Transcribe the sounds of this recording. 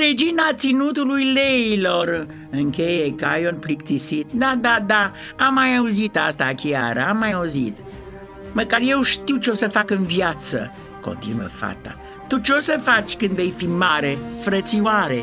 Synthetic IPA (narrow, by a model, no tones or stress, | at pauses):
ɾe̞d͡ʒinat̪sinut̪ulujleilo̞r | ɨŋkʲe̞jekəajonplikt̪isit̪̚d̪ad̪ad̪a | amːajauzit̪ast̪akʲiaɾəamːajauzit̪ | məkarje̞wʃt̪iwt͡ʃeo̞səfakɨnvjat̪sə̰ | ko̞̰nt̪ḭnuə̰fa̰t̪a̰ | t̪ut͡ʃeo̞səfat͡ʃʲkɨnd̪ve̞jfimaɾe̞fɾət̪siwaɾe̞